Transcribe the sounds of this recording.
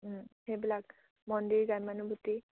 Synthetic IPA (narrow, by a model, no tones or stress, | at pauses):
hebilak̚ | mɔndiɹɡajmanubuti